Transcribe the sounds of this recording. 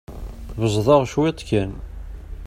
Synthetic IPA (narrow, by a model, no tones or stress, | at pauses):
vəzˤðˤɑʁʃwɪt̪ˤkæn